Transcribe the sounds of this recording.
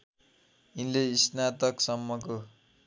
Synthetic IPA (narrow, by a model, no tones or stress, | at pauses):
inleisnat̪ʌksʌmːʌko